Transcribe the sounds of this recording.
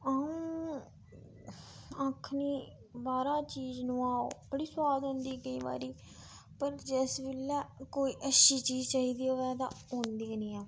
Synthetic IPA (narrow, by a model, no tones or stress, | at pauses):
aːũ | ãːkʰniː | baːɾãːt͡ʃiːznũːaːo̰bəɽiːsʊwaːd̪ɦõnd̪iːɡəĩːba̰ːɾiː | pəɾd͡ʒɛːsbɪlːɛːkoːiːʔəʃiːt͡ʃiːzt͡ʃaːɦiːd̪iːoːʋɛːt̪ã̰ː | õːnd̪iːnĩːaː